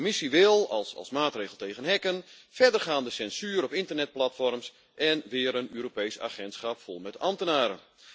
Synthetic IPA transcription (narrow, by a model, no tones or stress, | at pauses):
misiʋɪlˠɑ̰lˠsɑ̰lˠsmaːtreːɣəl̩ˠteːɣənɦɛkənfɛrdərχaːndəsɛnsyːɾɔpɪntərnɛt̚platfɔrms | ʔɛnʋɪːəɾənøːɾopejsa̰ːχɛntsχapfɔlˠmɛtɑmtənaːɾə̰